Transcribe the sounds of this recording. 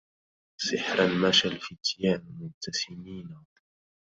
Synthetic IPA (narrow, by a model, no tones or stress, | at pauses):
sɪħɾanmaʃalfɪt̪jaːnmʊnt̪ːasɪmiːna